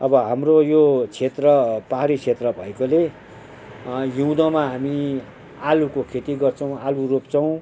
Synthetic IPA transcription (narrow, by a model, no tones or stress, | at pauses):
ʌbʌɦamrojot͡sʰet̪rʌpaɦaɾit͡sʰet̪rʌbʱʌekole | jũd̪ʌmaɦami | alukokʰet̪iɡʌrt͡sʰʌw̃aluropt͡sʰʌw̃